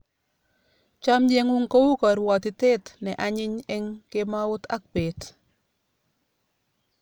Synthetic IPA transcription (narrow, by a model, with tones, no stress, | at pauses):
t͡ʃa˦md͡ʒe˦ŋʊ˦ŋko˦wu˦kɔ˨ɾwɔ˨t̪ɪ˨te˦t̪nɛ˨ʔa˨ɲɪ˦ɲɛ˦ŋkɪ˦ma˦ʊ˦t̪a̰˦k̚be˨t